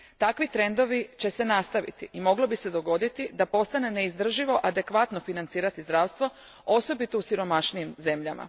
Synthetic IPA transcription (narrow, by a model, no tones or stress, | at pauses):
t̪akʋit̪ɾe̞nd̪o̞ʋit͡ɕe̞se̞nast̪aʋḭt̪iimo̞ɡlobise̞d̪o̞ɡo̞d̪it̪id̪apo̞st̪ane̞ne̞izd̪r̩ʒiʋo̞ʔad̪e̞kʋat̪no̞finant̪siːɾat̪izd̪ɾaːʋst̪ʋo̞ | o̞so̞bit̪ousiɾo̞maʃnijimze̞mʎama̰